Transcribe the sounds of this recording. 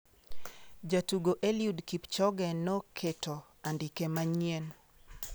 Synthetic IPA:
d͡ʒatuɡoʔɛliudkipt͡ʃɔɡɛnɔkʰetɔ | andikɛmaɲien

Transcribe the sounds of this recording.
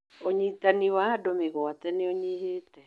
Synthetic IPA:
oɲiːtaniwaadomeɣɔatɛneɔɲiheːtɛ

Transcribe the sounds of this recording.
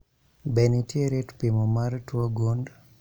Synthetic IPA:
bɛnitjeɾetpimomaɾtwoɡund

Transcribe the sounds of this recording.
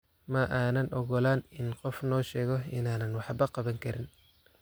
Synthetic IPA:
mɐʔaːnɐnʔɔɣɔlaːnɪnqɔfnɔːʃɛːɣɔɪnaːnɐnwɑħbɐqɑβɐŋkʰɐɾɪn

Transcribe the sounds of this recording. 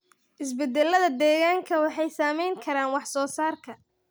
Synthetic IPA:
ʔɪsbɛd̪ɛlːɐðɐd̪ɛːɣaːŋkʰɐwɑħɑjsaːmɛjŋkʰɐɾaːnwɑħsɔːsaːrkʰɐ

